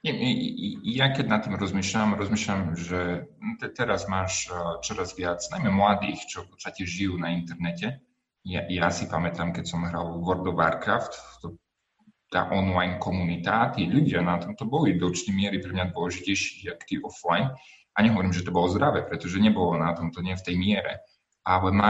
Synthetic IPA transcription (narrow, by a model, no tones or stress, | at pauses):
ɲɛ | jakɛɟnat̪ːiːmɾɔzmiːʃʎamɾɔzmiːʃʎamʒɛt̪ɛt̪ɛɾazmaːʃt͡ʃɔɾazʋɪat͡snajmɛmlad̪ḭːxt͡ʃɔfpɔt̪st̪acɛʒijuːnaint̪ɛɾnɛcɛ | jajasipamɛt̪aːmkɛcsɔmɦɾa̰lˠʋɔɾd̪ɔʋa̰ɾkɾa̰ft̪t̪ɔ | t̪a̰ːʔɔnlajnkɔmunit̪aat̪iːʎuɟɪanat̪ɔmt̪ɔbɔlid̪ɔt͡ʃnɛmɪɛɾipɾɛmɲad̪ʋɔlɛʒicɛjʃiɣjakt̪iʔɔflajn | ʔaɲɛɦɔʋɔɾiːmʒɛt̪ɔbɔlɔzd̪ɾaʋɛːpɾɛt̪ɔʒɛɲɛbɔlɔnat̪ɔmt̪ɔɲɪɛft̪ɛjmɪɛɾɛ̰ | ʔalɛma